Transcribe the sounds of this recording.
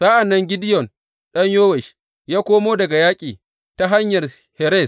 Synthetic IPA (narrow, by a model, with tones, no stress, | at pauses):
saː˦ʔa˨nːɐ˦ŋɡʲɪ˦dɪ˦jɔ˨n | ɗɐ˦ɲjoː˦wɛ˨ʃ | jaː˦kʷoː˦moː˦dɐ˨ɡa˨jaː˦kʲʼiː˨ | ta˦ɦa˦ɲjɐ˨r | hɛ˨ɾɛ˦˨s